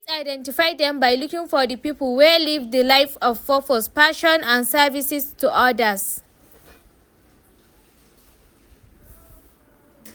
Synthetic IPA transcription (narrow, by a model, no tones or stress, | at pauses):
sajdɛ̃ntɪfajd̪ɛ̃mbajlukɪ̃ŋfɔdəpiːpəlˠwɛlivdəlaɪfɔv̥fɔfɔspaʃɔ̃nãnsɛvisɪstuʔadəs